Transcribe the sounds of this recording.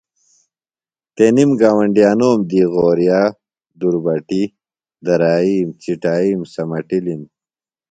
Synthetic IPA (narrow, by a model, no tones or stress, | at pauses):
t̪enimɡaːwɐɳɖijaːnoːmd̪iːɣoːɾjaː | d̪uɾbɐʈi | d̪ɐɾaːiːmt͡siʈaːiːmsɐmɐʈilim